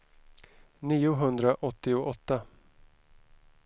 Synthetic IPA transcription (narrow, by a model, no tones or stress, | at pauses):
niːʊɦɵnd̪ɾaʔɔt̪ːɪʊʔɔt̪ːa